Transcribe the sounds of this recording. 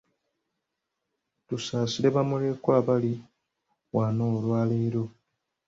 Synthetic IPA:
tusaːsiɾe̞βamule̞kwaːβali | waːnoːlwaːleːɾo̞

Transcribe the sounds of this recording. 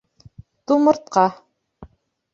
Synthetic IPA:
t̪umɤ̆ɾt̪̚qɑ

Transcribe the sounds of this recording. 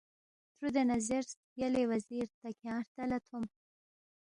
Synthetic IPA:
t̪ɾud̪enazeɾs | jalewaziɾt̪akjɑːɾt̪alat̪ʰum

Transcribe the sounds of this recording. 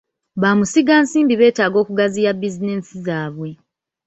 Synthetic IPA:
βaːmusiɡaːnsiːmbiβe̞ːtaːɡo̞ːkuɡazijabizineːsizaːβwe̞

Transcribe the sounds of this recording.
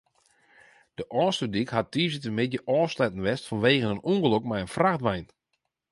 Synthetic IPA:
d̥əʔɔːstədikhat̚diːzətəmɪdjəʔɔːslɛtən̩ʋɛstfɔnʋeːɣənənuŋɡəlokmɛjənfraxtʋɛjn

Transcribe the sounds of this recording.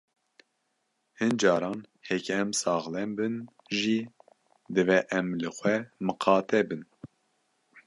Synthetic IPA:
hɨnd͡ʒɑːɾɑːn | hɛkɛmsɑːɣlɛnbɨn | ʒiː | d̪ɨvɛʔɛmlɨxʷɛmɨqʰɑːt̪ɛbɨn

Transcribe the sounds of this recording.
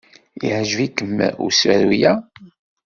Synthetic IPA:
ḭʕʒvikːəm̰ːṵsæ̰ɾujæ

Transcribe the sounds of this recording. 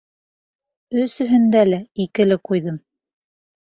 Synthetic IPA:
ɵsɵ̆ɦɵ̆nd̪ælæikɘ̆lɘqujðɤm

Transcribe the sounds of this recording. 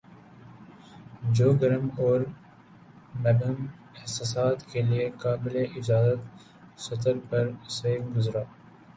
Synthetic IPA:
d͡ʒoːɡəɾəmɔːɾ | mɛbəm | ɪhsaːsaːt̪keliekaːbɪleʔɪd͡ʒaːzət̪ | sɐt̪əɾpɐɾseːkɡʊzɾaː

